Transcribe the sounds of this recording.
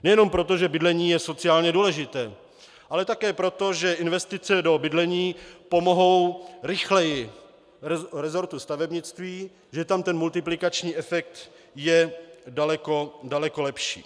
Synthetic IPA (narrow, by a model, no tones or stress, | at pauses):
nɛjɛno̞mpɾo̞t̪o̞ʒɛbɪdlɛɲiːjɛso̞t͡sɪaːlɲɛduːlɛʒɪt̪ɛː | ʔalɛt̪akɛːpɾo̞t̪o̞ʒɛʔɪnvɛst̪ɪt͡sɛdo̞bɪdlɛɲiːpo̞mo̞ɦo̞wɾɪxlɛjɪ | ɾɛzoɾt̪ust̪avɛbɲɪt͡st̪viː | ʒɛt̪amt̪ɛnmult̪ɪplɪkat͡ʃɲiːʔɛfɛk̚t̪ | jɛdalɛkodalɛko̞lɛpʃḭː